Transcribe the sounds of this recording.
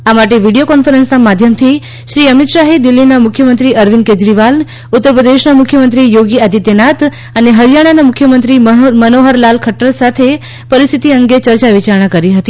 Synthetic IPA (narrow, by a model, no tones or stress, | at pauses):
amaʈeʋiɽijokɔnfəɾənsnamad̪ʱjəmt̪ʰi | ʃɾiəmit̪ʃaɦid̪ilːinamʊkʰjəmənt̪ɾiəɾʋinked͡ʒɾiʋal | ut̪ːəɾpɾəd̪eʃnamʊkʰjəmənt̪ɾijoɡiad̪it̪jənat̪ | əneɦəɾjaɽ̃anamʊkʰːjəmənt̪ɾimənoɦəɾlalkʰəʈːəlsat̪ʰe | pəɾist̪ʰit̪iəŋɡet͡ʃəɾt͡ʃaʋit͡ʃaɾɳ̃akəɾiɦət̪i